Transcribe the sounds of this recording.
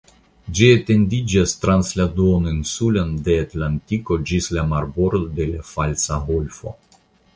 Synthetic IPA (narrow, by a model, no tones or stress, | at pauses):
d͡ʒiet̪e̞ndid͡ʒast̪ɾansladuoninsulande̞at̪lantiko̞d͡ʒislamaɾbo̞ɾd̪od̪e̞lafalsaɦolfo̞̰